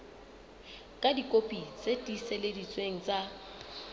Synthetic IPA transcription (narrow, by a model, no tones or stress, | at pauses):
kʼadikʼopʼit͡sʼetʼiseledit͡sʼweŋ̩t͡sʼa